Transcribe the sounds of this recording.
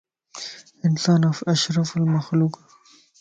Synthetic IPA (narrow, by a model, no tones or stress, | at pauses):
ʔɪnsaːnafiʔaʃɾˤɑfalmaxluːq